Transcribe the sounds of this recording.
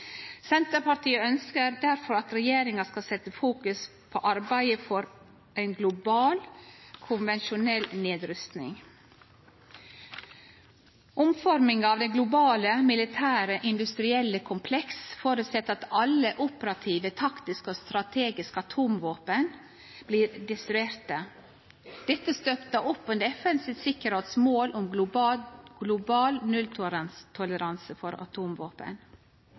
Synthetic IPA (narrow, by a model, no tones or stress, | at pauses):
sɛnt̪əɾpɑʈʰiːəœnskəɾd̪æɾfɔɾɑt̪ɾɛjeːɾɪŋɑskɑsɛt̪ːəfuːkʉs | pʰo̰ːʔɑɾbæɪəfɔɾ | ʔæɪnɡlʊbɑːlkʰʊnʋɛnʃʊnɛlːneːd̪ɾʏst̪nɪ̰ŋ | ʔʊmfɔɾmɪŋɑːʋd̪ɛɡlʊbɑːləmɪlɪt̪ʰæːɾəʔɪnd̪ʉst̪ɾɪɛlːəkʰʊmpʰlɛksfoːɾəsɛt̪ːɑt̪ɑləʔʊpəɾɑt̪ʰiːʋət̪ʰɑkt̪ɪskəost̪ɾɑt̪ʰeːɡɪskəɑt̪ʰuːmʋoːpən | b̥liːɾd̪ɛst̪ɾʉeːɾt̪ə | d̪̥ɛt̪ːəst̪œpt̪əʊpːɔɛnd̪ɛfɛnsɪsɪkəɾheːt̪smoːlʔʊm | ɡ̥lʊbɑːlnʉlt̪ʰt̪ʰʊləɾɑnsəfɔɾɑ̰t̪ʰuːmʋoːpə̰n